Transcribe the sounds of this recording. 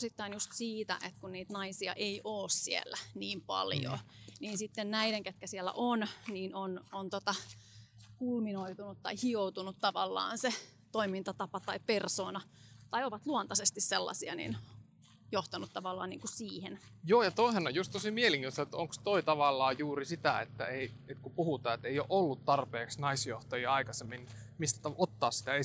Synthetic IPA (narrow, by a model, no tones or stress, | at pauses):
sit̪ːɑinjust̪siːt̪æ̰ʔet̪kunniːt̪nɑisiɑ̰ʔeiʔoːssiḛlːæniːmpɑ̰ljo̰niːnsit̪ːennæiɾeŋket̪kæsielːæ̰ʔonniːnonont̪ot̪ɑ | kulminoit̪unut̪t̪ɑihiout̪unut̪t̪ɑʋɑlːɑ̰ːnse | t̪oimint̪ɑt̪ɑpɑt̪ɑipersoːnɑ | t̪ɑioʋɑt̪luont̪ɑsest̪isselːɑ̰siɑ̰nḭn | joht̪ɑnut̪t̪ɑʋɑlːɑ̰ːnnḭːŋkusiːhenjoːjɑt̪oiseno̰jjust̪t̪osimieliŋkinosɑet̪oŋkst̪oit̪ɑʋɑlːɑːjuːrisit̪æḛt̪ːæ̰eiet̪kupuhut̪ɑːet̪ːeijoʔolːut̪t̪ɑrpeːksnɑisjoht̪ɑjiɑikɑsemːin | mist̪æt̪ɑʔot̪ːɑːssi̥t̪æe